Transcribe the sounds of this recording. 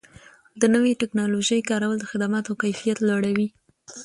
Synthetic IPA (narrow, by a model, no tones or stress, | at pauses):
d̪ənəweʈɪknɑloʒəjkɑɾawəld̪əxɪd̪amɑt̪okajfijat̪laɽawi